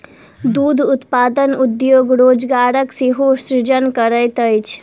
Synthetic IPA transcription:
d̪ud̪ʱʊt̪paːd̪ənʊd̪joːɡɾoːd͡ʒɡaːɾəksiɦoʃɾɪd͡ʒənkəɾəjt̪əjt͡ʃʰ

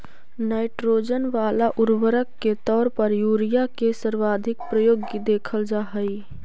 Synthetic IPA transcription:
naːɪʈɾoːd͡ʒənʋaːlaʔʊɾwəɾəkːet̪ɔːɾpəɾjuːɾijakesəɾʋaːd̪ʱɪkpɾəjoːɡkid̪eːkʰəld͡ʒaːɦəi

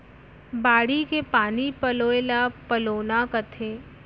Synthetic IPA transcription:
baːɽikepaːnipɐloːelapəloːnakət̪ʰeː

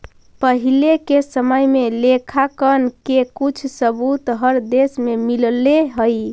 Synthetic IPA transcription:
pəɦilekesəməjmelekʰakənkekut͡ʃʰsəbut̪ɦəɾd̪esmemilleɦəj

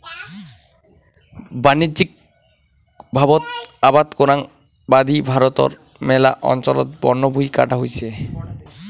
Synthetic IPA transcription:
banid͡ʑik̚ | bʱabot̪abad̪koɾaŋbad̪ibʱaɾot̪o̰ɾ | mɛla̰ʔɔ̰nt͡ɕɔlɔ̰t̪̚bɔnːobʱujka̰ʈaɦojt͡ɕʰe

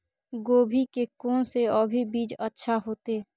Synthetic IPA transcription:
ɡoːbʱikekoːnseɔbʱibiːd͡ʒətːʃʰaɦoːt̪eː

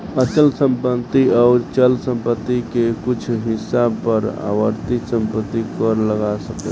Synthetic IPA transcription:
əsəlsə̃mpənt̪iaʊɾt͡ʃəlsə̃mpət̪ːikekut͡ʃʰɦisabpəɾa̰ʋəɾt̪isə̃mpət̪ːikəɾləɡasəkḛ

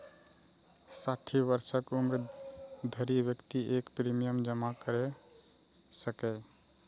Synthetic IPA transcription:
saʈʰibəɾsəkumɾ | d̪ʱəɾibjəkt̪iʔekpɾimijəmd͡ʒəmakəɾe | səkɛ

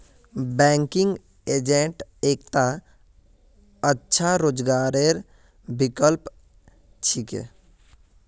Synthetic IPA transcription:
bɛːŋkɪ̃ŋɡ | eːd͡ʒeɳʈeːkt̪a | ətːʃʰaɾoːd͡ʒɡaːɾeɾ | bikəlp | t͡ʃʰikḛ

